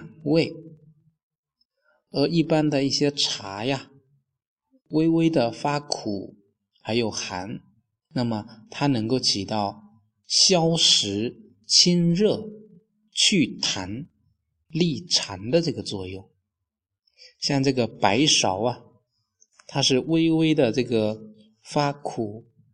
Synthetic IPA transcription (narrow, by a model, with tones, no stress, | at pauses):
we˥˩ɪ | ə˧˥i˥˩pa˥nd̪ə˨i˥˩ɕjɛ˥ʈ͡ʂʰa˧˥ja˧ | we˥ɪwe˥ɪd̪ə˨fa˥kʰu˨˩ | xa˧˥ɪjo˨˩ʊxa̰˧˥n | na˥˩mə˩t̪ʰa˥nɤ˧˥ŋko˥˩ʊt͡ɕʰi˨˩t̪ɑ˥˩ʊ | ɕjɑ˥ʊʂɻ̩˧˥ | t͡ɕʰi˥nɻɤ˥˩ | t͡ɕʰy˥˩t̪ʰa˧˥n | li˥˩ʈ͡ʂʰa˧˥nd̪ə˧ʈ͡ʂɤ˥˩ɡə˩t͡swɔ˥˧jʊ˥˩ŋ | ɕjɑ˥˧ŋʈ͡ʂɤ˥˩ɡə˩pa˧˥ɪʂɑ˨˧˩ʊɐ˧ | t̪ʰa˥ʂɻ̩˥˧we˥ɪwe˥ɪd̪ə˨ʈ͡ʂɤ˥˩ɡə˩ | fa˥kʰu˨˩˦